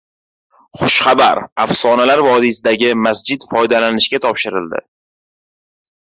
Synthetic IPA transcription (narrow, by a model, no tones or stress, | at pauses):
χʊʃχaba̰ɾafsɒnalaɾvɒd̪isɪd̪aɡʲɪmasd͡ʒɪd̪fɒjd̪alanɪʃɡʲat̪ʰɒpʃɪɾɪ̰ld̪ɪ̰